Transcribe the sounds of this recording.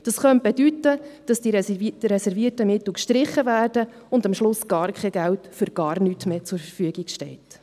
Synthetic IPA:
d̥ɑsχœnt̚b̥edytːəd̥ɑsd̥iɾɛsɛɾviətəmɪt̪l̩kʃtɾɪχːəvæːrdə | ʊndɑmʃlʊsɡ̥ɑːɾkʰχɛɡæltfʏɾɡ̥ɑːrnyːtmeːt͡sʊɾfəfyəɡikʃtɛːt

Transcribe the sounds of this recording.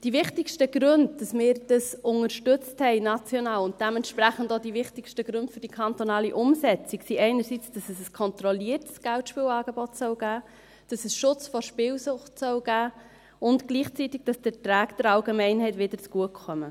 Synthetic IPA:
d̥iʋɪχtɪkʃtəɡɾønddɑsmɪːɾd̥ɑsʊŋəɾʃtʏt͡sthɛɪnɑt͡sjɔnɑːlʊnt̚d̥ɛmɛntʃpɾæχən̩doːdiʋɪχtɪkʃtəɡ̥ɾʉntfɵɾd̥ikʰɑntonɑːliʔʊmsɛt͡siksiɛɪnəɾsit͡sd̥ɑsɛsəskʰɔnt̪rɔliːərtsɡ̥æltʃpiːwɑːɡebɔtsœwɡ̥æː | d̥ɑsɛsʃʊt͡sfɔɾʃpɪːwsʊχtsœwɡ̥æː | ʊntɡ̥liːχt͡sitiɡ̥̚d̥ɑsd̥ɛtɾæːkd̥ɛɾɑlɡemɛɪnɦɛɪtʋɪd̥əɾt͡sɡ̥uəkkʰχœmə

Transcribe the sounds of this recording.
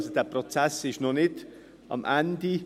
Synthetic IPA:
sod̥eːɐpʁot͡sɛsɪʃnɔnɪt | ʔɑ̰mʔɛndi

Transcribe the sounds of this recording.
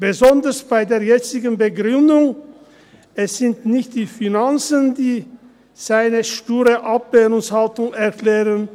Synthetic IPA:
b̥əzɔndɐsb̥aɪdeːɐjɛt͡sɪɡən̩bəɡʁʏndʊŋ | ɛsz̥ɪntnɪçt̚d̥iːfinant͡səndiː | z̥aɪnəʃtyːʁəʔapv̥ɛːʁʊŋshaltʊŋɛɐkl̥ɛːʁən

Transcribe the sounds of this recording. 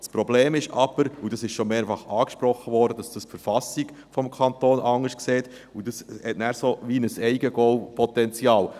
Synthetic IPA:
spɾɔbleːmɪʃɑ̰b̥əɾudɑsɪʃʃomeːɾfɑχɑːkʃpɾɔχəvɔːɾdəd̥ɑsd̥əsfəɾfɑsiɡ | fɔmkʰɑntoːnʔɑŋːəʃkseːt̪ | udɑshɛtnæːɾsoʋinəsɛɪɡəɡ̥ɔwpʰɔt̪ɛnt͡siɑːl

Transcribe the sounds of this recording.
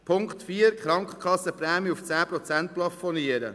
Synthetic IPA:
pʰʊŋkχt̪fiːəɾkχɾɑŋkχə̥kχɑsəpɾɛːmiʊft͡sæːpɾɔt͡sænt̚plɑfɔniəɾə

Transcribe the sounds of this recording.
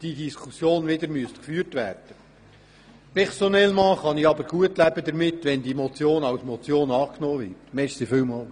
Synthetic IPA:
d̥idiskʰusjoːnʋɪd̪əɾmyəst̪kfyːəɾtʋæːrd̥ə | pɛʁsonɛlmɑːχɑniɑbəɾɡ̥uətlæbəd̪əɾmɪtːʋɛnd̪imot͡sjoːnɑwsmɔt͡sjoːnɑːknɔːvɪtmɛʃsifʏwmɑ

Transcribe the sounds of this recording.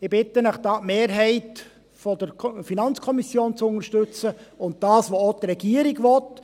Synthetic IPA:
ɪbɪtənəχd̥ɑːtmeːɾɦɛɪt | fɔd̪əɾfinɑnt͡skʰɔmisjoːnt͡sʊnəɾʃtɵt͡səʊnt̚d̥ɑːsʋoot̪ɾɛɡ̥iəɾiɡʋɔt

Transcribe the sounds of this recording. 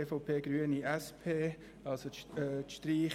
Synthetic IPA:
eːfoʊpʰeːɡ̥ɾyəniɛspʰeː | ɑlsot̪ʃtɾiː

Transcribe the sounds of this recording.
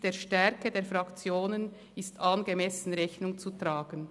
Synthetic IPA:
d̥eːɐʃtɛɐkədeːɐfʁɑkt͡sjoːnən | ɪstɑnɡemɛsn̩ʁɛçnʊŋt͡sutʁ̥aːɡ̥ən

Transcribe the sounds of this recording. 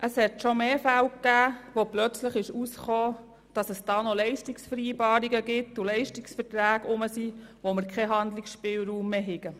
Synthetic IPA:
ʔəshɛtʃomeːfælwkːæːʋoplœt͡sləχɪʃusχoː | d̥ɑsəsd̥ɑːnolɛɪʃtiksfəɾiːbɑːɾiɡəɡɪtːʊlɛɪʃtiksfəɾtɾæːɡʊməsiːʋoməɾkʰχɛɦɑnd̪lɪksʃpɪːlɾuːmːeːɦɪɡ̥ə

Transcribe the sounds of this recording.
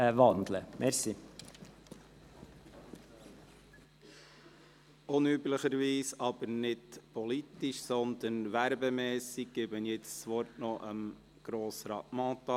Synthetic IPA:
vɑnd̪ləmɛɾsi | ʊnybləχəɾʋiːsɑb̥əɾnɪtpɔlit̪iʃsɔnd̪ənʋæɾbɛmɛːsiɡ̚ɡ̥ɪbənjɛt͡st͡sʋɔɾtnɔʔəm | ɡ̥ɾɔːsɾɑ̰ːtmɑ̃ːt̪ɑ

